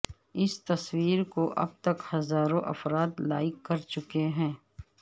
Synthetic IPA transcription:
ɪst̪ɐswiːɾkoʔɐ̰b̚t̪ɐkhɐzaːɾõʔɐ̰fɾaːt̪laːɪkːɐɾt͡ʃʊkeɦɛ̃ː

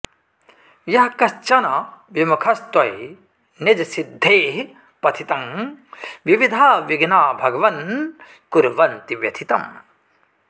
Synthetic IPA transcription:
jɐɦɐkɐst͡ʃɐnɐʋjɐmɐkʰɐst̪wɐj | ned͡ʒɐsid̪ʱːeːɦ | pɐt̪ʰit̪ɐŋ | ʋiʋid̪ʱaːʋiɡnaːbʱɐɡɐʋɐn | kuɾʋɐnt̪iʋjɐt̪ʰit̪ɐm

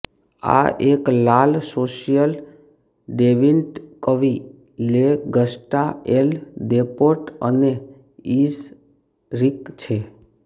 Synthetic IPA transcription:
a̰ʔeklalsoʃijəl | ɖeʋinʈkəʋi | leɡəsʈaeld̪epoʈəne | is | ɾikt͡ʃʰe

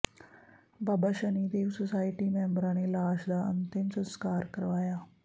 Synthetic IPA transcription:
baːbaʃənid̪eːʋsosaːiʈiːmɛ̃ːmbɾãnelaːʃd̪aə̰nt̪ɪmsə̃nskaːɾkəɾʋaːjaː

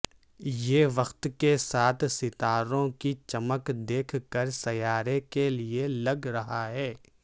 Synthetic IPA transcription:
jeːʋɐxt̪kesaːt̪ʰsɪt̪aːɾõkit͡ʃɐməkd̪eːkʰkəɾsɐjaːɾekelielɐɡɾɐɦaɦɛː

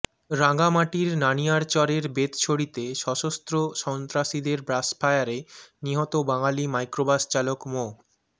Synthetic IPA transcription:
ɾaŋɡamaʈiɾnaniaɾt͡ɕɔɾeɾbet̪t͡ɕʰoɽit̪eʃɔʃost̪ɾoʃɔnt̪ɾaʃid̪eɾbɾaspʰajaɾeniɦɔt̪obaŋalimajkɾobast͡ɕalokmo

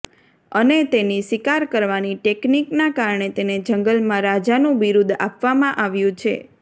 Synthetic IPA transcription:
ənet̪enisʋikaɾkəɾʋaniʈekniknakaɾɳet̪ened͡ʒəŋɡəlmãɾad͡ʒanũʋiɾud̪ʱa̰pʋamãʔaʋjũt͡ʃʰḛ

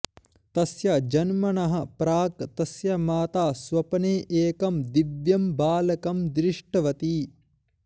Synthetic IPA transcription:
t̪ɐsjɐd͡ʒɐnmɐɳɐɦɐ̆pɾaːkt̪ɐsjɐmaːt̪aːsʋɐpɐneːʔeːkɐmd̪iʋjɐmbaːlɐkɐmd̪ɾiʂʈɐʋɐt̪iː

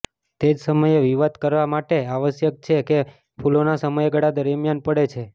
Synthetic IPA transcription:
t̪ed͡ʒsəməjeʋiʋad̪kəɾʋamaʈeaʋəsjək̚t͡ʃʰeke | pʰulonasəməjeɡəɽad̪əɾmjanpəɽet͡ʃʰe

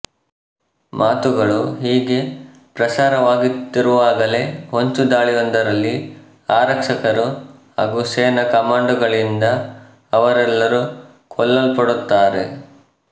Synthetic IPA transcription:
mʔaːt̪uɡɐɭuɦiːɡe̞ | pɾɐsaːɾɐʋaːɡit̪ːiɾuʋaːɡɐle̞ɦoɲt͡ʃud̪aːɭijɔnd̪ɐɾɐlːi | aːɾɐkʂɐkɐɾuhaːɡuseːnɐkɐmaːɳɖuɡɐɭind̪ɐ | ɐʋɐɾɛlːɐɾu | kʰɔlːɐlpɐɽut̪ːaːɾe̞̰

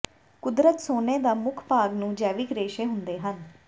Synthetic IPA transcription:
kʊd̪ɾət̪soːneːd̪aːmʊkʰpaːɡnũːd͡ʒɛːʋɪkɾeːʃeːɦʊnd̪eːɦən

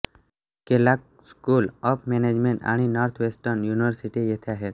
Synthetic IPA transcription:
kelak̚ | skulɔpʰmened͡ʒmeɳʈa̰ɽ̃inɔɾt̪ʰʋesʈəɾnjuniʋəɾsiʈijet̪ʰaɦet̪

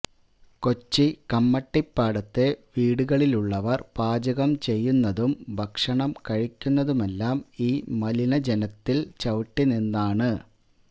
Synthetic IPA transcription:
ko̞t͡ɕːikɐmːɐʈːipːaːɽɐt̪ːe̞ʋiːɽuɣɐɭiluɭːɐʋɐrpaːd͡ʑɐɣɐmt͡ɕe̞jːunːɐðumbʱɐkʂɐɳɐmkɐɻikʲːunːɐðumelːaːmiːmɐlinɐd͡ʑe̞nɐt̪ːilt͡ɕɐʋʈːininːaːɳɨ

